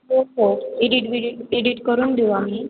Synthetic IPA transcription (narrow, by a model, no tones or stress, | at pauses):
ɦoɦoeɖiʈʋiɽiʈeɖiʈkəɾuːnd̪eʋamiː